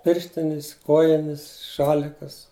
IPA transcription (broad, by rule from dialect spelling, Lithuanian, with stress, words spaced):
ˈpʲɪrʲʃʲtʲɪnʲɪs ˈkoːjɪnʲɪs ˈʃɑːlʲɪkɐs